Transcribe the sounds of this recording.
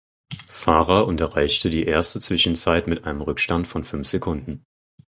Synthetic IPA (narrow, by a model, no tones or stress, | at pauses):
faːʁɐʔʊntɐʁaɪçtədiːʔeːɐstət͡sv̥ɪʃn̩t͡saɪtmɪtʔaɪnəmʁʏkʃtantfɔnfʏnfz̥ekʰʊndn̩